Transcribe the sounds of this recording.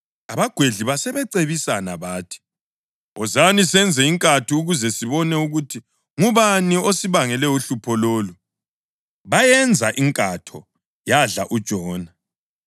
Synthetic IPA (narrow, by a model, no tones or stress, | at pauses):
aβaɡ̥ʱweɮiβasɛβɛǀeβisanaβaːtʰi̥ | ɔzanisɛnd͡zʱɛiŋkʼatʰiuɣuzɛsiβɔnɛuɣutʰi | ŋuβaniosiβaŋɛlɛuɬupʰɔloːlu | βajɛnd͡zʱaʔiŋkʼatʰɔ̰ | jaɮa̰ʔud̥ʒ̥ʱɔːna